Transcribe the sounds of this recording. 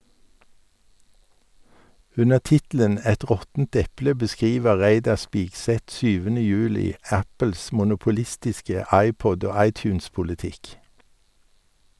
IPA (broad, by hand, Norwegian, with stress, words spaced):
ˈʉnəʁ ˈtɪtl̩ən ˈɛt ˈʁɔtn̩t ˈɛplə bəˈskʁiːʋə ˈʁæɪdɑʁ ˈspiːɡˌsɛt ˈsyːʋənə ˈjʉːlɪ ˈæpəls mʊnʊpʊˈlɪstɪskə ˈɑɪˌpɔd ˈoː ˈɑɪˌtjʉːnspʊlɪˌtɪk